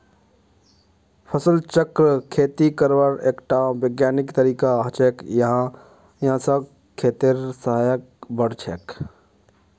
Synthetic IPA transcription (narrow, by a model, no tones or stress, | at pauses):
pʰəsəlt͡ʃəkɾəkʰet̪ikəɾʋəɾeːkʈabəɡjaːnikt̪əɾiːkaɦt͡ʃekjəɦã | jɦãsə̃ | kʰːeːt̪eɾsəɦajək̚bəɽt͡ʃʰeːk